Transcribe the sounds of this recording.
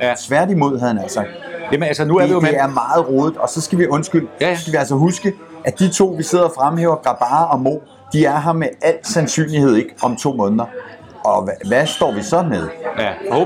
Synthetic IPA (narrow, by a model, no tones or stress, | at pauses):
t͡sʰʋæɐd̥imo̝ð̞̰ˠhæðˠhænæl̰səjæmnælsənuæɐdeæɐmɑ̈ːð̞̩ˠʁɔːðˠd̥ɒ̽sɒ̽sɡ̥æʋiʔɔ̽nsɡ̥yl̰sɡ̥æʋiæls̬əɦusɡ̥ə | ʔæd̥it͡sʰo̝̰ːʋise̝ð̞̰ˠɐfʁamɦḛːʊɐɡ̥ʁɑ̈b̥ɑ̈ːɒ̽mo̝̰ː | d̥iæɐɦɑ̈meæl̰sænsy̰ːnlihe̝ð̞̰ˠe̝ɡ̥ɒ̽mt͡sʰo̝̰ːmɔ̽ːnðˠɐ | ɒ̽ʋæsd̥ɒ̰ːʋisɒ̽meðˠ